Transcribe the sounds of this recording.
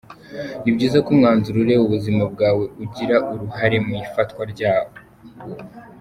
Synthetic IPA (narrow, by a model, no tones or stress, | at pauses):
nibɟiːzakumŋaːnzuɾuɾe̞βuβuzimab̚ɡaːwe̞uɟiɾaʔuɾuɦaɾe̞muifatwaɾɟaːwo | ho